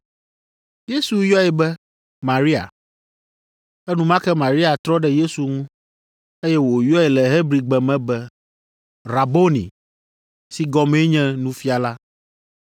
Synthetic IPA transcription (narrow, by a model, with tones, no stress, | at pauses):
je˦su˨jɔ˦ɛ˨bɛ˦ | mã˨ɾi˦a̰˨ | ɛ˦nũ˦mã˦kɛ˦mã˨ɾi˦a˨t̪ɾɔ˦ɖɛ˦je˦su˨ŋũ˦ | e˦jɛ˦wo˨jɔ˦ɛ˨lɛ˨ɦe˦bɾi˨ɡ͡bɛ˨mɛ̃˦bɛ˦ | ɾa˨bo˦nḭ̃˨ | si˦ɡɔ˨me˦ɲɛ̃˦nũ˦fi˦a˨la˦